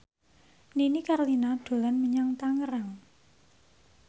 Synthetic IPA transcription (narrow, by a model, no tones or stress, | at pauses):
ninikarlinaɖ̪̥o̤lanməɲaŋt̪aŋəɾaŋ